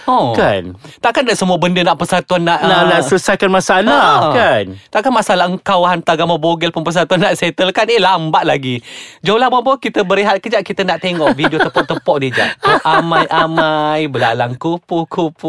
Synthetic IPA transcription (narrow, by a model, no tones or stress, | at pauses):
ɔkant̪aʔkandaʔsəmuəbəndənaʔpərsat̪uanːaʔnaʔlausajkanmasalakant̪aʔkanmasalahəŋkawhant̪aɡaməboɡəlpunpərs̬at̪uanːaʔset̪əlkanilambaʔlaɡid͡ʒalabambɔkit̪əbəɾiɦat̪̚kəd͡ʒaʔkit̪ənaʔt̪eŋɔʔvidiott̪əpɔʔt̪əpɔʔ̚did͡ʒa̰ʔʔamãjʔamajbəla̰laŋkupuhkʰupu